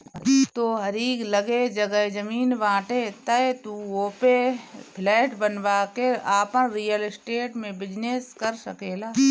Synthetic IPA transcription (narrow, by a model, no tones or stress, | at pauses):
iːt̪oɦɐɾiːɡləɡed͡ʒɐɡəed͡ʒəmiːnʋãːʈet̪əet̪uoːpepʰlɛːʈbənʋaːkeaːpənɾiːjəlɪsʈeːʈmẽbɪd͡ʒneskəɾsəkeːlaː